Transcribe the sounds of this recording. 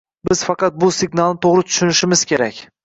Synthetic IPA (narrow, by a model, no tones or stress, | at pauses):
bɪz̥fɑqɑt̪̚bʊsɪɡnalˠnɪt̪ʰoʁɾɪt̪ʰʊ̥ʃʊnɪʃɪmɪz̥kʲe̞ɾakʲ